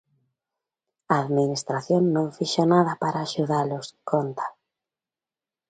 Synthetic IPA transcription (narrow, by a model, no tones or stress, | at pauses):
aaðminist̪ɾaθjoŋnːõŋfiʃonaðɐpaɾaːʃuðalʊskʰont̪ḁ